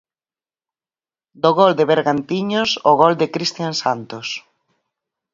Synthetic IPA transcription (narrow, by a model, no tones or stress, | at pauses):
d̪oɣɔld̪ɪβeɾɣant̪iɲosoɣɔld̪ɪkɾist̪jansant̪os